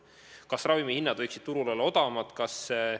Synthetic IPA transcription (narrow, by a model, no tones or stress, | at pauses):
kɑsrɑvimihinːɑd̪vɤjksid̪̥̚t̪uɾulolːɑo̞d̪ɑmɑt̪ˑkɑs